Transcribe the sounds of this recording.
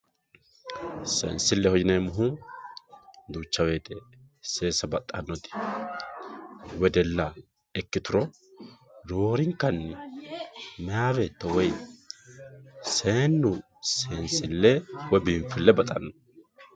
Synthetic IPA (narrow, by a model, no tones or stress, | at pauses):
sɛ̰nsɪlːɛhɔd͡ʒɪnemʊɦʊ | d̪uːt͡ʃːɐwe̞ːt̪ɛ | se̞ːsɐbɐt̪ʼːɐnːɔt̪ɪ̥ | wɛd̪ɛlːɐ | ɛkːɪt̪ʊɾɔ | ɾoːɾɪŋkːɐnːɪ | mɛjaːwet̪ːɔwɔj | seːnːʊ | sensɪlːɛwɔjbiɱfɪlːɛbɐt̪ʼɐnːɔ̥